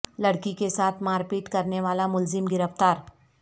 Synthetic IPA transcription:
lɐɽkikesaːt̪ʰmaːɾpiːʈkɐɾneʋaːlamʊlzɪmɡɪɾəft̪aːɾ

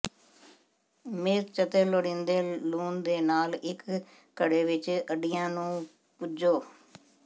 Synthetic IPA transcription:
mɪɾt͡ʃət̪eloɽɪ̃nd̪eːluːnd̪eːnaːlɪkː | əɽeːʋɪt͡ʃəɖijãːnũː | pʊd͡ʒoː

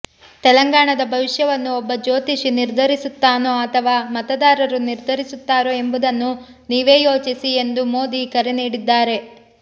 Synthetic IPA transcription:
t̪ɛlɐŋɡaːɳɐd̪ɐbʱɐʋiʂjɐʋɐnːuɔbːɐd͡ʒo̞ːt̪iʂiniɾd̪ʱɐɾisut̪ːaːnoɐt̪ʰɐʋaːmɐt̪ɐd̪aːɾɐɾuniɾd̪ʱɐɾisut̪ːaːɾoe̞mbud̪ɐnːu | niːʋe̞ːjo̞ːt͡ʃisie̞nd̪umo̞ːd̪ikɐɾeniːɽid̪ːaːɾe̞

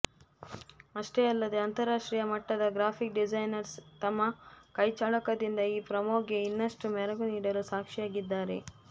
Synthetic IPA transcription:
ɐʂʈe̞ːɐlːɐd̪e̞ɐnt̪ɐɾaːʂʈɾiːjɐmɐʈːɐd̪ɐɡɾaːpʰik̚ɖid͡ʒɐjnɐɾst̪ɐmːɐkɐjt͡ʃaːɭɐkɐd̪ind̪ɐiːpɾɐmoːɡeinːɐʂʈumɛɾɐɡuniːɽɐlusaːkʂijaːɡid̪ːaːɾe̞̰

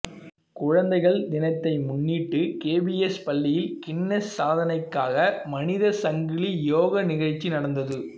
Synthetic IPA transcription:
kʊɻɐnd̪ɐɪɣɐɭd̪ɪnɐɪt̪ːɐɪmʊnːiːʈːɯkeːbiɛspɐlːɪjɪlkɪɳːɛsːaːðɐnɐɪkːaːɣɐmɐnɪðɐsɐŋɡɪɭijoːɣɐnɪɣɐɻt͡ʃːinɐɽɐnd̪ɐðɯ

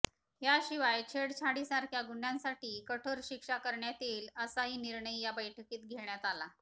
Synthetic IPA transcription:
ɦjaɕiʋajt͡ɕʰeɽt͡ɕʰaɽisaɾkʰjaɡunjãnsaʈiːkəʈʰəɾɕikʂakəɾɳjat̪iːləsaɦiːniɾɳəjjabəjʈʰəkiːt̪̚ɡʱeɳjat̪ala

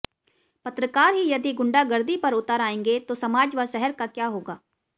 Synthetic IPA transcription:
pət̪ɾəkaːɾɦijəd̪iɡʊ̃ɳɖaːɡəɾd̪ipɐɾʊt̪aːɾaːẽːŋɡet̪oːsɐmaːd͡ʒʋasɛɦəɾkakjaːɦoːɡaː

